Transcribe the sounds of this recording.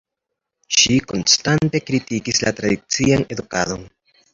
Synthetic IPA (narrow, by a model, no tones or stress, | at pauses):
ʃiko̞nstante̞kɾitikislʔatɾadit͡siane̞dukado̞n